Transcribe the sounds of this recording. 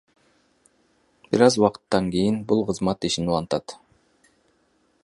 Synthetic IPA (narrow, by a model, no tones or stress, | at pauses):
b̥iɾɑzwɑqə̥t̪ːɑŋkʲijɪnbulˠqʰəzmɑt̪iʃinulˠɑnt̪ɑt̪